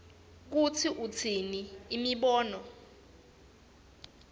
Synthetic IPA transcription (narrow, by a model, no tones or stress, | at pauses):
k̬ut͡sʰiʔut͡sʰiniːmiɓɔːnɔ